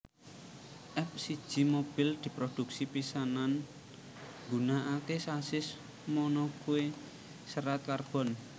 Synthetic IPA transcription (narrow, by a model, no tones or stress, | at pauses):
ʔɛp̚sid̥ʒ̥i̤mob̥ɪ̤ld̪̥i̤pɾod̪̥ṳksipisanan | ŋɡunaʔakesasɪs | mɔnɔkue | səɾat̪̚karb̥ɔ̤n